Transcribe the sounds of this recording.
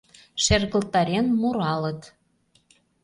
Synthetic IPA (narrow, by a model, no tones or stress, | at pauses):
ʃerɣə̆lt̪ɑɾenmuɾɑlə̆t̪